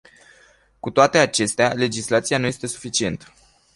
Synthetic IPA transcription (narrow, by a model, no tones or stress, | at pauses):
kut̪oat̪e̞at͡ʃe̞st̪eale̞d͡ʒislat̪sijanujest̪e̞su̥fit͡ʃie̞nt̪ə̥